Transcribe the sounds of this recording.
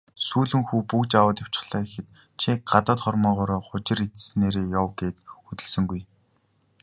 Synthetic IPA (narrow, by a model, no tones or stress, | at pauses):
suːɮɘ̆ŋxuːpukt͡ɕawə̆ːt̪jḁw̥t͡ɕɪ̥̆χɮ̥aːkexɘ̆t̪̚ | t͡ɕʰiɢat̪ə̆ːt̪χɔrmɔːʁɔːɾɔːχʊt͡ɕɪ̆ɾit̪̆sneːɾeːjawɡeːt̪ut̪ɘ̆ɮsɘ̆ŋɡuj